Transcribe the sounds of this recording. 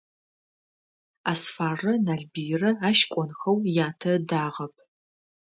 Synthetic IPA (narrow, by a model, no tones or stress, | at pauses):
aːsfaːrɐnaːɮbijrɐaːʃkʷʼɔnxɐwjaːtʰɐdaːʁɐp̚ʰ